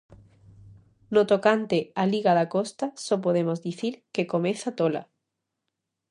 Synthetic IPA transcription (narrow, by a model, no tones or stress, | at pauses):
not̪okant̪ealiɣaðakost̪asop̬oð̞emozðiθiɾkekomeθat̪ola̰